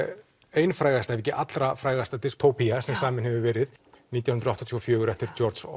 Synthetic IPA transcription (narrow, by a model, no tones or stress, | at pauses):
eːjnfɾaːjɣast̪aɛɾvɛcɪʔat̪lɾafɾaːjɣast̪at̪ɪst̪ʰoːwpiasɛmsaːmɪnhɛvɪvɛːɾɪðniːt̪jahʏnɾɔht̪ɔt̪ʰiɔfjœːɣʏɾɛft̪ɪɾ̥t͡ʃɔɾt̪sɔ̰